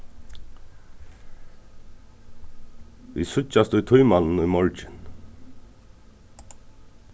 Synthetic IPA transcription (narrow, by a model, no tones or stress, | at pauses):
vḭːsʏt͡ʃast̪ʊjt̪ʰʊjmann̩ʊjmɔɹt͡ʃɪn